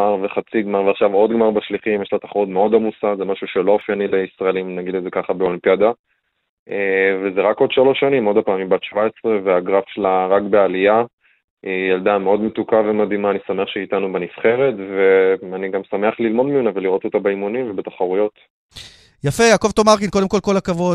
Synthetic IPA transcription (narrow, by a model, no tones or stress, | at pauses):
aʁveχat͡siɡmaʁveaχʃavo̞d̪ɡmaʁbaʃliχimjeʃlat̪aχaʁud̪meo̞d̪amusazemaʃuʃelo̞ofjanile̞isʁaelimnaɡid̪lezekaχabeolimpjad̪a | evezeʁako̞d̪ʃalo̞ʃːanimo̞d̪apaːmimbat̪ʃvaesʁeveaɡʁafʃelaʁakbe̞alia | ijald̪ameo̞d̪met̪ukavemadimaːnisame̞aχʃeit̪anubenifχe̞ʁe̞tveaniɡamsame̞aχlilmo̞d̪miuneveliʁo̞t̪o̞t̪abeimunimvebet̪ḁχaʁujo̞t̪ | jafejaːko̞vt̪omaʁkinko̞d̪emko̞lko̞lakavo̞d